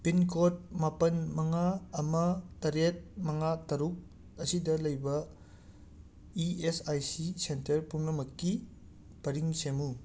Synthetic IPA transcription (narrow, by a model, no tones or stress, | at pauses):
pinkʰot̚mapɐnmɐŋaːmɐtɐɾet̚mɐŋatɐɾuk̚ | ɐsidɐlɐjbɐ | iesajsisentɐɾpuŋlɐmɐkːi | pɐɾiŋsemu